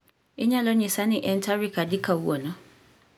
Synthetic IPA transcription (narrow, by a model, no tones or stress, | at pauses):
ɪɲãlɔɲĩsãnɪ̃ʔɛn̩tʰaɾikʰadɪkʰawuwɔnʊ̃